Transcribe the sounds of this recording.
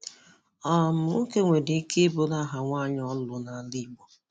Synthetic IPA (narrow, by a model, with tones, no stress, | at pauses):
ɔ˨mʊ˨ŋ̩˦ke˦ŋʷe˨di˨˦ke˦bo˦la˦ɦa˨ŋʷa˦ɲɔ˦lʊ˨na˨˦li˦ɡ͡bɔ˨